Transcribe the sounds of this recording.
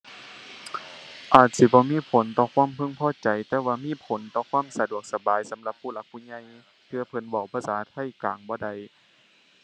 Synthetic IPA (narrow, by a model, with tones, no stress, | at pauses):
ʔaː˨˩t̪̚si˧˦bɔː˧˦miː˧˥˨pʰo˨˦nt̪ɔː˧˩kʰwaː˧˥˨mpʰɯ˧˥˨ŋpʰɔː˧˥˨t͡ɕa˨jt̪ɛː˧˩waː˧miː˧˥˨pʰo˨˦nt̪ɔː˧˩kʰwaː˧˥˨msa˧du˨˩ək̚sa˧baː˨˦jsa˨˦mla˧˦p̚ʰːuː˧˩la˧˥k̚pʰːuː˧˩˨ɲa˧˨j | p̪ʰɯ˧ɐ˧pʰɤ˧˩˦nwa˧˩wpʰaː˧˥˨saː˨˦t̪ʰa˧˩˨jkaː˨ŋbɔː˧˦da˧˩j